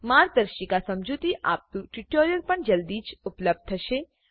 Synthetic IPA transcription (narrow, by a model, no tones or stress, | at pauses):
maːɾd̪əɾʃikasɐmd͡ʒut̪iʔa̰ːp̚t̪uʈiʈoːɾjəɾpɐɳd͡ʒɐld̪iːt͡ʃʊpləb̚d̪̚t̪ʰɐʃe